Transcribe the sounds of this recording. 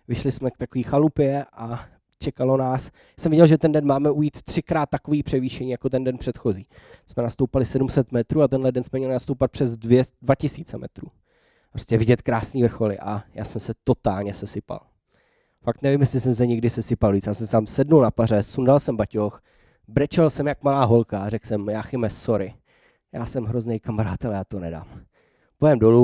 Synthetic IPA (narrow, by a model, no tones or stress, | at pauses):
vɪʃlɪsmɛkt̪akoviːxalupɪɛʔa | t͡ʃɛkalo̞naːs | asɛmvɪɟɛlʒɛt̪ɛndɛnmaːmɛujiːt̪ːr̥ɪkɾaːt̪̚ːakoviːpr̥ɛviːʃɛɲiːjakot̪ɛndɛnpr̥ɛt̪xo̞ziːsmɛnast̪owpalɪsɛdumsɛt̪mɛt̪ɾuːat̪ɛnɦlɛdɛnsmɛmɲɛlɪnast̪owpat̪̚pr̥ɛzdvɛdvacɪsiːt͡sɛmɛ̰t̪ɾuː | pɾostcɛvɪɟɛt̪kɾaːsɲiːvr̩xo̞lɪ̰ʔajaːsɛmsɛt̪o̞t̪aːlɲɛsɛsɪpa̰l | fakt̪nɛvimjɛslɪs̬ɛms̬ɛɲɪɡdɪsɛsɪpalviːt͡sjaːsɛmsɛt̪amsɛdnulnapaɾɛsundalsɛmbacox | bɾɛt͡ʃɛlsɛmjakmalaːɦo̞lkarɛksɛmjaːxɪmɛsoɾɪ | jaːsɛmɦɾoznejkamaɾaːt̪ɛljaːt̪onɛda̰ːm | pojɛmdolu